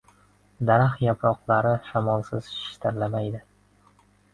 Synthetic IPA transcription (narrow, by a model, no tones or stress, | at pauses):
d̪aɾaχjapʰɾɒqlˠaɾɪʃamɒlˠsɪz̥ʃʃt̪ʰaɾlamajd̪ɪ